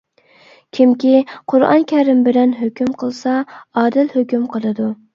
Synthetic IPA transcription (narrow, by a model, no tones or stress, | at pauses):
kʲʰimkʲiqʰʊɾɑ̰nkʲʰɛɾɪmbɪlɛnɦøkʲymqʰəlˠsɑɑːd̪ɪlhøkʲymqʰəlˠɨd̪u